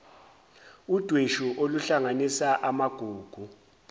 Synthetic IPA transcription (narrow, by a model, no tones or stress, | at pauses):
ud̥ʱweʃuʔoluɬaŋanisaʔamaɡ̥ʱuːɡ̥ʱu